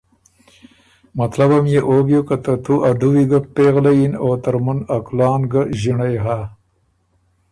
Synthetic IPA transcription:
mɐt̪labamjeʔoɡjukat̪ət̪ʰuʔaɖ̪uwiɡapeɣlajinot̪əɾmunaklɑːnɡəʑiɳajɦa

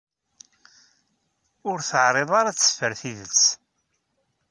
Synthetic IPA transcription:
ʊɾθəʕɾˤeðˤaɾat͡sːə̥fəɾθiðət͡sː

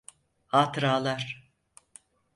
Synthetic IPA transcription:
haːt̪ɾaːlˠaɾ̥

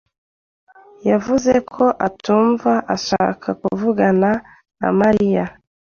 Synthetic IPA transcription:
javuzekʰoʔatuːɱvaʔaʃa̰kʰakuvuɡana | na̰maɾija

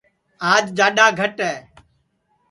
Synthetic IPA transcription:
aːd͡ʒd͡ʒaːɗaːɡʱəʈɦɛː

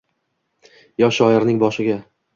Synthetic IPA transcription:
jɒʃɒɪɾnɪŋbɒʃɪɡʲa

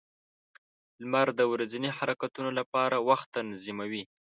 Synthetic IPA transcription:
lmaɾd̪əwɾazinihaɾakat̪unolapɑɾawaxt̪anzimawi

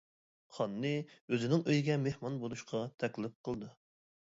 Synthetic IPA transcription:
χɑnːɨøzɪnɪŋøjɡʲɛmehmɑnbolˠuʃqʰɑt̪ʰɛkʲlɪp̚qʰəlˠd̪ɨ

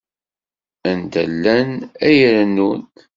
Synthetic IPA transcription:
ænt̪əlːænæjɾənːun

